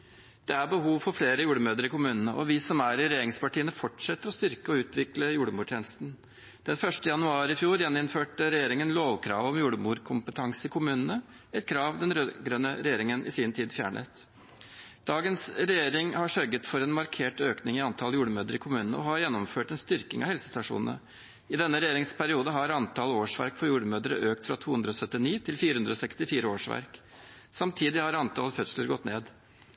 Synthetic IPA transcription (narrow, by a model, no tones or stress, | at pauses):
d̪̥ɛæɾbəhuːʋfɔɾfleːɾəjuːɽəmøːd̪əɾɪkʰʊmʉːnənəʔɔ̰ʋɪsɔmæɾɪɾɛjeːɾɪŋspɑʈiːənəfɔʈʂɛt̪ːəɾɔst̪ʏɾkəɔʉːt̪ʋɪkləjuːɽəmuːʈ̪ʰeːnəst̪n | d̪̥ɛnfœʂʈəjɑnʉɑːɾɪfjuːɾjɛnɪnføːʈəɾɛjeːɾɪŋənloːʋkʰɾɑ̰ːʋɔmjuːɽəmuːɾkʰʊmpət̪ʰɑŋsɪkʰʊmʉːnənə | ɛt̪kʰɾɑːʋd̪ɛnɾøɡɾœnːəɾɛjeːɾɪŋənʔɪ̰sint̪ʰiːd̪fjæ̰ːɳʔə̰t̪ | d̪̥ɑːɡənsɾɛjeːɾɪŋhɑʂœɾɡət̪fɔɾɛːnmɑɾkʰeːʈøːknɪŋɪɑnt̪ʰɑljuːɖəmøːd̪əɾɪkʰʊmʉːnənə̰ɔhɑɾjɛnːɔmføːʈɛnst̪ʏɾkɪŋɑ̰hɛlsə̥st̪ɑʂṵːnn̩ə̰ | ɪd̪ɛnːəɾɛjeːɾɪŋspʰæɾɪuːd̪əɦɑɾɑnt̪ʰɑloːʂʋæ̰ɾkfɔɾjuːɖəmøːd̪əɾə̰ʔøːk̚t̪fɾɑt̪ʰuːʉnd̪ɾəɔsœt̪ːɪniːt̪ʰɪlfiːɾəhʉnd̪ɾɔːsɛkst̪ɪfiːɾəoːʂʋæ̰ɾk | sɑmt̪ʰiːd̪ɪhɑɾɑnt̪ʰɑlfœt̪sləɾɡɔt̪ːneːd̪